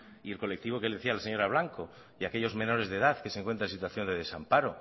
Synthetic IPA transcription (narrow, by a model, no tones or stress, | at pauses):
ielko̞lek̚t̪iβo̞keld̪eθialaseɲo̞ɾaβ̞laŋko̞ | iakeʎo̞zmẽ̞no̞ɾe̞zðe̞ðaθkeseŋkwent̪ɾensit̪waθjo̞nd̪e̞ðe̞sampaɾo